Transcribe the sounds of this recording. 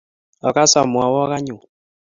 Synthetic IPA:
ɔ˨ka˦sa˨mwa˨wɔ˦ka˦ɲu˨

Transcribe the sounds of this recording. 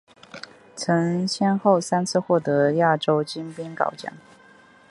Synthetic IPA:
t͡sʰɤ˧˥ŋɕjɛ˥nxo˥˩ʊsa˥nt͡sʰɹ̩˥˧xwɔ˥˩t̪ɤ˧˥ja˥˩ʈ͡ʂo˥ʊt͡ɕi˥npi˥nkɑ̰˨˩ʊt͡ɕjɑ̰˥˩˦ŋ

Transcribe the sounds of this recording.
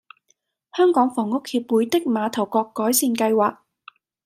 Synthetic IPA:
hœː˥ŋkɔː˨˥ŋfɔː˨˩ŋʊ˥k̚hiː˧p̚wuː˨˧jt̪ɪ˥k̚maː˨˧t̪ʰɐ˨˩wkɔː˧kːɔː˨˥jsiː˧nkɐ˧jwaː˨k̚

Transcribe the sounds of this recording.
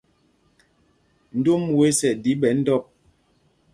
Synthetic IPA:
n̩˦do˦m˨we˨˦sɛ˨di˨˦ɓɛ˨˦n̩˦dɔ˦˨p̚

